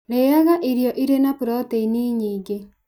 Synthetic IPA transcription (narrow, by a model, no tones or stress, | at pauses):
ɾeaɣaʔiɾjɔʔiɾenapuɾɔteiniːɲiːɡe